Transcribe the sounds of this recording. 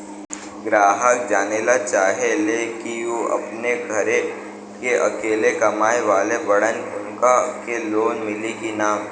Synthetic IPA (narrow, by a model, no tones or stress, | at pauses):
ɡɾaːɦək̚d͡ʒaːnelat͡ʃaːɦelekioɐ̰pneɡʱɐɾe | keʔɐkeːlekɐmaːeʋaːlebɐɽənʊ̰nkakeloːnmɪlikinaːm